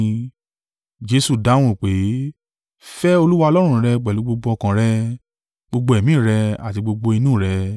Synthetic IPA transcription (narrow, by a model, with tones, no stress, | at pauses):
d͡ʒe˧su˦˨da˨˦w̃ũ˦˨k͡pe˨˦ | fɛ˦o˧lu˦wa˦ɔ˧lɔ˦ɾ̃ũ˧˨ɾɛ˧ɡ͡bɛ˨lu˨˦ɡ͡bo˧ɡ͡bo˧ɔ˧kã˨ɾɛ˦ | ɡ͡bo˧ɡ͡bo˧ɛ˨mĩ˨˦˨ɾɛ˧a˨ti˧ɡ͡bo˧ɡ͡bo˧i˧nũ˦˨ɾɛ˧